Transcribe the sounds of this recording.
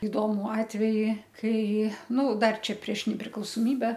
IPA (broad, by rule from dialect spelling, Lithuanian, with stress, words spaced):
ɪˈdoːmʊ ɐtʲˈʋʲæːjɪ ˈkɐɪ ˈnʊ ˈdɐr ˈt͡ʃʲɛ pʲrʲiɛʃ nʲɛpʲrʲɪklˠɐʊsoːˈmʲiːbʲɛ